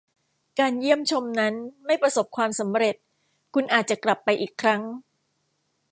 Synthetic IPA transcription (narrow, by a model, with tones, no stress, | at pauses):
kaː˧nji˥˩əmt͡ɕʰo˧mna˦˥nma˥˩jpɾa˧so˨˩p̚kʰwaː˧msa˩˦mɾe˨˩t̪̚ | kʰu˧nʔaː˨˩t̪̚t͡ɕa˨˩kla˨˩pːa˧jʔiː˨˩kʰːɾa˦˥ŋ